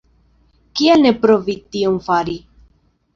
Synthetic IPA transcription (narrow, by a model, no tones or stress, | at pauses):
kielnepɾovit̪iomfaɾi